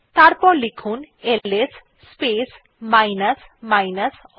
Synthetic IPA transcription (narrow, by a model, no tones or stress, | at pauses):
t̪aɾpɔɾlikʰun | elesː | pes | majnas | majnas